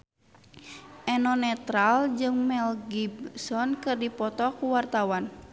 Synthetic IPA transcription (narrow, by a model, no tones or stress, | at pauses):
ʔɛnɔnɛt̪ɾald͡ʒɨŋmɛlɡibsɔnkɨrdipɔt̪ɔkuwart̪awan